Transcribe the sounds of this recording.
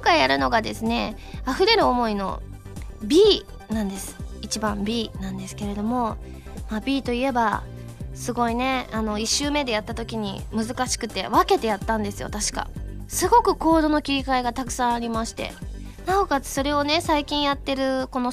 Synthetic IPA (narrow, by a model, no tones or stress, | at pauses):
kokaijaɾɯ̟no̞ɡad̪e̞sɨne̞ | aɸɯ̟ɾe̞ɾɯ̟o̞mo̞ino̞̰ | bʲiː | nãnd̪e̞sɨ̥it͡ɕibãmbʲiːnãnd̪e̞sɨ̥ke̞ɾe̞d̪o̞mo̞ | mabʲiːt̪o̞ie̞ba | sɨɡo̞ine̞ano̞iɕːɨːme̞d̪e̞jat̪ːat̪o̞kʲiɲ̟imɯ̟zɨkaɕi̥kɯ̟t̪e̞βake̞t̪e̞jat̪ːãnd̪e̞sɨjo̞̰t̪aɕi̥ka̰ | sɨɡo̞kɯ̟ko̞ːd̪o̞no̞kʲiɾʲikaiɡat̪akɯ̟̥sãɰ̃aɾʲimaɕi̥t̪e̞̰ | nao̞kaɨso̞ɾe̞o̞ne̞saikʲĩɰ̃jat̪ːe̞ɾɯ̟ko̞no̞